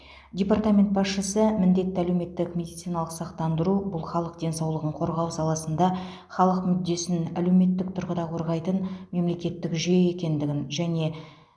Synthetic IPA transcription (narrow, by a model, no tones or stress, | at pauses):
dʲe̞part̪amʲe̞nt̪̚bɑsʃəsəmɪnd̪e̞t̪ːɪælewme̞t̪ːɪkmʲe̞d̪ijt̪sijnɑlˠəqsɑqt̪ɑnd̪əɾubʊlˠχɑlˠəq̚d̪e̞nsɑwlˠəʁəɴqʰo̞ɾʁɑwsɑlˠɑsənd̪ɑ | χɑlˠəqmʏd̪ːe̞sɪnæle̞wme̞t̪ːɪk̚t̪ʰʊɾʁəd̪ɑqʰo̞ɾʁɑjt̪ənme̞mle̞kʲe̞t̪ːɪkʒee̞kʲe̞nd̪ɪɡʲɪnʒæne̞